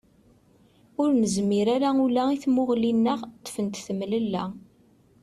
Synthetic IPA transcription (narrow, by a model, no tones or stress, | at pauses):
ʊɾnəzmiɾæɾæulæiθmʊʁlinːəʁt̪ːə̥fənt̪θəmːləlːæ